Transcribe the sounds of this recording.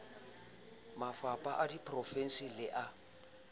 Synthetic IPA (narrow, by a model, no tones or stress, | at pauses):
mafapʼaʔadipʰʼrɔfɛn̩silɪʔa